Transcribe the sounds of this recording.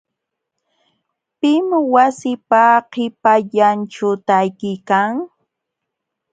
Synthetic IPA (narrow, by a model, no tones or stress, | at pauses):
pɪmwasɪpaqɪpaʎanʈ͡ʂʊt̪ajkɪjkaŋ